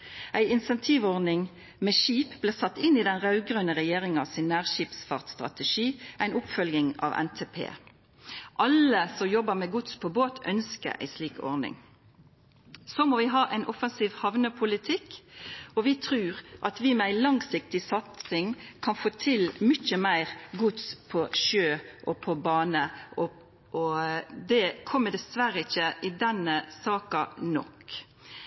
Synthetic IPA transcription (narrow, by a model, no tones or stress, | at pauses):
æɪɪnsɛnt̪ʰiːʋɔʁnɪŋ | mɛʃiːpblɪːʁsɑt̪ːɪnːid̪ɛnʁɑʉɡʁœnəʁɛjeːʁɪŋɑʋsɪnːæːʁʃiːpsfɑʁt̪st̪ʁɑ̰t̪əʃiːʔæɪnʊpfœljɪŋɑ̰ːʋɛ̰nt̪ʰeːpʰḛː | ʔɑləsɔmjɔbəʁmɛɡʊt̪spʰoːboːt̪ʰœ̰nskə̰æ̰ɪsliːkɔ̰ʁnɪ̰ŋ | soːmoɔːʋɪɦɑːʔæɪnʔɔfənsiːʋhɑʋnəpʰʊlɪt̪ʰɪkːɔʋɪt̪ʰɾʉːɾʔɑt̪ʋɪmɛæɪlɑŋsɪk̚t̪ɪsɑt̪sɪŋkʰɑnfoːt̪ʰɪlmʏçəmæɪɾɡʊt̪spʰɔʃøːʔɔpʰɔbɑːnəʔɔ | ɔd̪ɛkʰɔmːəd̪ɛsʋæɾəɪçːəʔɪd̪ɛnəsɑːkɑnɔ̰k